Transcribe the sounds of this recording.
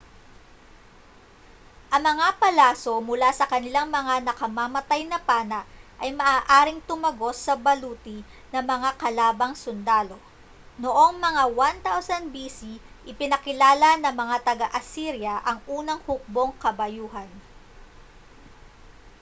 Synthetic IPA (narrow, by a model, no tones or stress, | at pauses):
ʔɐŋmɐŋapɐlaːso̞mʊlasɐkɐnɪlaŋmɐŋanɐkɐmamɐt̪ajnɐpaːnɐʔʔɐjmɐʔaːʔaːɾɪŋt̪ʊmɐɡo̞sɐbɐluːt̪i | nɐmɐŋakɐlaːbɐŋsʊnd̪aːlo̞ | noʔo̞ŋmɐŋawant̪awsɐnbisiʔɪpɪnɐkɪlaːlɐnɐŋmɐŋat̪ɐɡaʔɐsiɾjɐʔɐŋʔuːnɐŋhʊk̚bo̞ŋkɐbɐjuːhɐn